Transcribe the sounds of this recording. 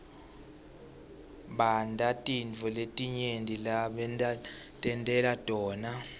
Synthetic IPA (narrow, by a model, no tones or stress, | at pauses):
ɓandʱatʼint͡fɔletʼiɲendʱʼilaɓɛna | tʼɛntʼɛladʼɔːna